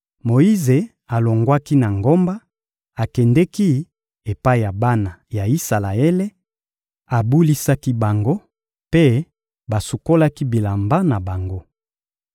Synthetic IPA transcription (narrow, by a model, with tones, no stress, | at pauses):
mo˨i˦ze˨ | a˨lo˨ŋɡwa˦ki˦na˨ŋɡo˦mba˦ | a˨kɛ˨ndɛ˦ki˦ | e˨pa˦i˨ja˨ba˦na˨ja˨i˦sa˨la˨e˦le˦ | a˨bu˦li˦sa˦ki˦ba˨ŋɡo˦ | pe˦ | ba˨su˨ko˦la˦ki˦bi˨la˨mba˦na˨ba˨ŋɡo˦